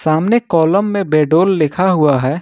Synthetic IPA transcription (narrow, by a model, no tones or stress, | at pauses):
saːmnekɔːləmːẽbɛːɖoːlːɪkʰaɦʊaɦɛː